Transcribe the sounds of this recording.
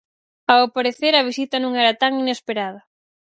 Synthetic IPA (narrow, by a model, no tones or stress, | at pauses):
awpaɾeθeɾɐβ̞isit̪ɐnũŋɛɾɐt̪aŋinespeɾaðɐ